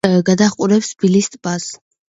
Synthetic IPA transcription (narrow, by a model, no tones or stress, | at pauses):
ɡad̪aχqʼuɾɛpsb̥ilist̪ʼbas